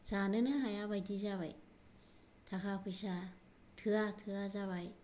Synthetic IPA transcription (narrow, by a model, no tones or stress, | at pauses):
z̥anɯnɯɦajaβajdizaβaj | tʰakʰapʰɯjsa | tʰɯatʰɯazaβaj